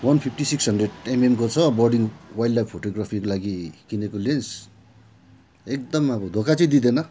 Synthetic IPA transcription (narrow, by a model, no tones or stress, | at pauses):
wʌnpʰip̚ʰʈisiksɦʌnɖreɽememkot͡sʰʌbʌrɖiŋwajɖlajb̚ʰpʰoʈoɡrapʰikolaɡikinekolens | ek̚d̪ʌmʌbʌd̪ʱokat͡sʌĩd̪id̪enʌ